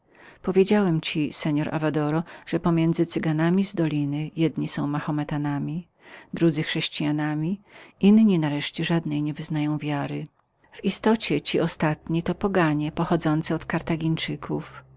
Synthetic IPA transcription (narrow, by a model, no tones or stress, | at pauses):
pɔvʲjed͡ʑawɛmt͡ɕisɛɲɔɾʔa̰vad̪ɔɾɔʐ̥ɛpɔmʲjɛnd̪zɘt̪sɘɡanamʲizd̪ɔlʲinɘjɛd̪ɲisɔ̃w̃maxɔmɛt̪anamʲi | d̪ɾud̪zɘxʂɛɕt͡ɕijanamʲiinɲinaɾɛʂt͡ɕɛʐad̪nɛjɲɛvɘznajɔ̃w̃vʲjaɾɘ | v̥ist̪ɔt͡ɕɛt͡ɕiʔɔst̪at̪ɲit̪ɔpɔɡaɲɛpɔxɔd̪zɔnt̪sɛɔt̪kaɾt̪aɡʲiɲt͡ʂɘkʰuf